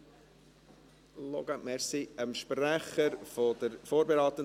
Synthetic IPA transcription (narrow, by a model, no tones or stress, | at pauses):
loɡ̥amɛɾsiəmʃpræχəɾfod̪əɾfoːɾbeɾɑːt̪ə